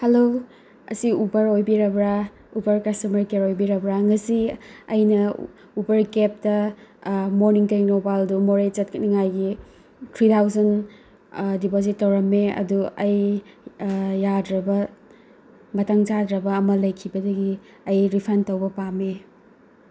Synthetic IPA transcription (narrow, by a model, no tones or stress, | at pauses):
helo | ɐ̰siubɐɾojbiɾɐbɾa | ubɐɾkɐstɐmɐɾkeɾojbiɾɐbɾaŋɐsiːjnɐ | ubɐɾkep̚tɐ | moɾniŋteŋnobaldumoɾet͡ʃɐt̚kniŋajɡi | tʰɾitʰawzɐn | dipozitːɐwɾɐmːeɐ̰duɐj | jadɾɐbɐ | mɐtaŋd͡ʒadɾɐbɐːmɐlɐjkʰibɐdɐɡi | ɐjɾipʰɐntɐwbɐpame